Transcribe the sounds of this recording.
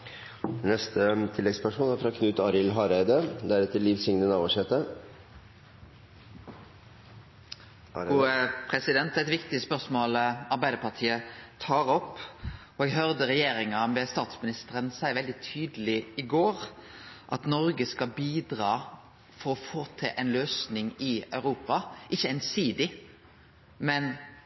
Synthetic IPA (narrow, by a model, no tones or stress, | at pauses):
nɛst̪ət̪ʰɪlːɛɡspʰæʂuːnæɾfɾɑkʰnʉt̪ɑɾɪlɦɑɾæɪd̪əd̪æɾɛt̪ʰːəlːiʋsɪŋnənɑːʋɔʂɛt̪ə | pʰɾɛsɪd̪ɛnt̪æɛt̪ʋɪkt̪ɪspœʁsmoːlɑɾbæɪd̪əpɑʁt̪ʰiːət̪ʰɑːʁɔpːɔɛɡɦœʁd̪əʁɛjeːɾɪŋɑmɛst̪ɑːt̪smɪnɪst̪əʁənsæɪʋɛld̪ɪt̪ʰyːd̪əlɪɪɡoːɾʔɑt̪nɔɾɡəskɑbiːd̪ʁɑː | fɔɾɔfoːt̪ʰɪʔɛnløːsnɪŋɪœʉɾuːpɑʔɪçːəɛnsiːd̪ɪ | mɛn